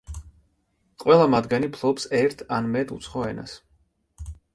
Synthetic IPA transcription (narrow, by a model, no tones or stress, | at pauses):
qʼwɛlˠamad̪ɡanipʰlˠɔpsɛɾt̪ʰanmɛt̪ʰṵt̪sʰχɔɛna̰s